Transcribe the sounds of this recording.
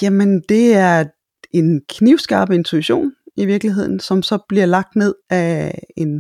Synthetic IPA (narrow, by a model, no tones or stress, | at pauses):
jæmend̥e̝æɐ | e̝nkʰniʊ̰sɡ̥ɑ̈ːb̥əe̝nt͡sʰuiɕo̝̰ːniʋiɐɡ̥liɦe̝ð̞̰ˠn̩sɒ̽msɒ̽b̥liɐ̰lɑ̈ɡ̥̚d̥ne̝ð̞̰ˠæe̝n